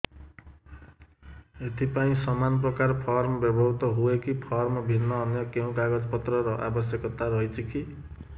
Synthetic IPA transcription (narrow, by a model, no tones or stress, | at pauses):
et̪ipaĩsʌmanprʌkarpʰʌrmbjʌbʱʌbt̪ʌɦuekipʰʌrmbʱinːʌːnjʌkew̃kaɡʌd͡zpʌt̪rʌɾʌʔa̰bʌsjʌkʌt̪aɾʌɦjt͡sʰikʰi